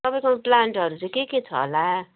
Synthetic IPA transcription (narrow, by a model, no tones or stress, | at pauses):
ʌpaj̃koplaɳʈʌɾut͡saj̃keket͡sʰʌ̰ɦo̰la